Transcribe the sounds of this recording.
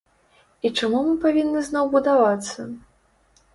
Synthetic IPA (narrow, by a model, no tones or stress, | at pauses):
it͡ʂamumɨpavʲinːɨznɔwbud̪avat̪sːɐ